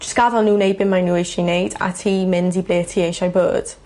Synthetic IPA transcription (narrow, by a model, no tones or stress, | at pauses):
d͡ʒ̥əsɡ̥aðɔlnuːnejd̚bɪnmajnuːejʃinejda̰tʰiːmɪndibleːtʰiːejʃajbə̰ːd̥